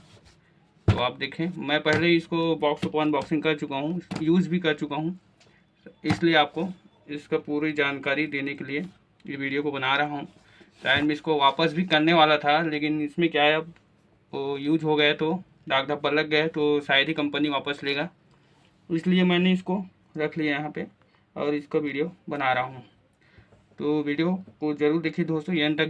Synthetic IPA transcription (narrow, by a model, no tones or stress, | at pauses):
t̪o̰aːpd̪eːkʰẽːmɛ̃ːpɛɦleɪskobɔːksʊpaːnbɔːksɪ̃ŋɡkɐɾt͡ʃʊkaɦũjuːd͡ʒbʱikɐɾt͡ʃʊkaɦũ | ɪslieaːp̚ko | ɪskapuːɾid͡ʒaːnkaːɾid̪eːnekelie | jʋiːɖijokobɐnaːɾɐɦaɦũ | ʃaːɦɪɾmẽɪskoʋaːpəsbʱikɐɾneʋaːlat̪ʰaleːkɪnɪsmẽkjaːɦɛɐb | juːd͡ʒɦoɡɐet̪o | ɖ̪aːɡd̪ʱɐb̚bɐɾlɐɡ̚ːɐet̪osaːɪd̪ʱikɐ̃mpəniʋaːpəsleːɡaː | ɪsliemɛ̃ːneɪsko | ɾɐkʰliajɐɦãpe | ɔ̰ːɾɪskoʋiːɖijobɐnaːɾɐɦaɦũː | t̪oːʋiːɖijokozɐɾuːɾd̪eːkʰid̪ʱoːst̪ojɐɦə̃nt̪ɐk